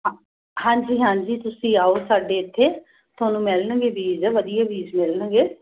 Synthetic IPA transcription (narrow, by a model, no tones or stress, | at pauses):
hãːɲd͡ʒiːɦãːɲd͡ʒiːt̪ʊsĩːaːoːsaːɖeːɪt̪ʰːeː | t̪ʰʊaːnũːmɛlnə̃ɡeːbiːzʋəd̪ijaːʋiːzmɛlnə̃ɡeː